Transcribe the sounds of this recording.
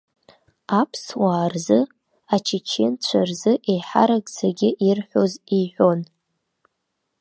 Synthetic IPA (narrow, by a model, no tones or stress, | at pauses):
apʰswaːrzɨ | at͡ʃʰit͡ʃʰent͡ɕʷʰarzɨʔejħa̰ɾaɡʼzʰaɡʲɪʔirħʷoziħʷo̞n